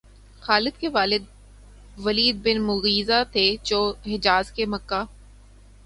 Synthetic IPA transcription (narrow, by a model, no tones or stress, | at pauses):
xaːlɪd̪̚keʋaːlɪd̪̚ | ʋɐliːd̪̚bɪnmʊɣiːzat̪ʰet͡ʃoːɦɪd͡ʒaːzkemɐkːaː